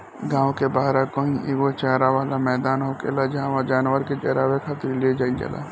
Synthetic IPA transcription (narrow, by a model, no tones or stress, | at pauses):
ɡãːwkebaːɾakoːĩʔeɡot͡ʃaːɾaʋaːlamɛːd̪aːnɦokḛːlad͡ʒɦãʋad͡ʒaːnwəɾket͡ʃɛːɾaʋekʰat̪ɾilied͡ʒaːid͡ʒə̰la̰ː